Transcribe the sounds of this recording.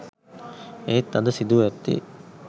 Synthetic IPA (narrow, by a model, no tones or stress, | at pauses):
eːt̪ːɐd̪əsid̪uʋɛt̪ːḭ